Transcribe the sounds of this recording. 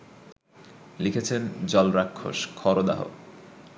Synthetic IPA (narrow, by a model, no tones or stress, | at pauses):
likʰet͡ɕʰend͡ʑɔlɾakʰːo̰ʃkʰɔɾod̪a̰ɦo̰